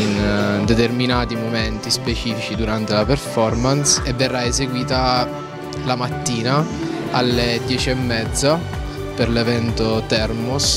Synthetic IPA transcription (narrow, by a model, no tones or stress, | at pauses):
ind̪et̪erminaːt̪imomɛnt̪ispet͡ʃiːfit͡ʃid̪uɾant̪elaperfɔrmansevːerːaezeɡwiːt̪a | lamat̪ːiːnaalːed̪jɛːt͡ʃiɛmːɛd̪zːa | perlevɛnt̪ot̪ɛrmus